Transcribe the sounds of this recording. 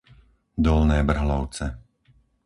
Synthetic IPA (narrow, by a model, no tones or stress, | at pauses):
d̪ɔlnɛːbr̩ɦlɔʊt͡sɛ